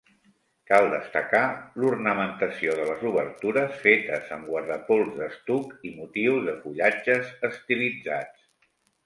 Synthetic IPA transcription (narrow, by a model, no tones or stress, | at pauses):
kalˠd̪əst̪əkalurnəmənt̪əsioðələzuβəɾt̪uɾəsfet̪əzəmɡwəɾðəpolˠzðəst̪ukimut̪iwzðəfuʎad͡ʒəzəst̪ilid͡zat͡s